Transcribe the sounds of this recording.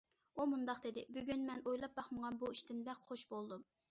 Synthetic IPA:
umund̪ɑqd̪ed̪ɪbyɡʲynmɛnojlˠɑp̚bɑχməʁɑnbuiʃt̪ɪnbɛkχoʃbolˠd̪um

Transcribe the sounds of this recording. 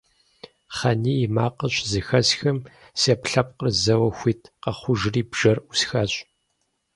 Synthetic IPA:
χɐniːmaːqəɕʼzɨxɐsxɐm | sepɬɐp̚qərzɐwɐxʷiːtʰqɐχʷʊʒriːbʒ̥ɐrusxɐɕʼ

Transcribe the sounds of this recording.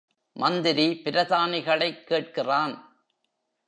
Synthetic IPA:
mɐnd̪ɪɾipɪɾɐðaːnɪɣɐɭɐɪkːeːʈ̚kɪraːn

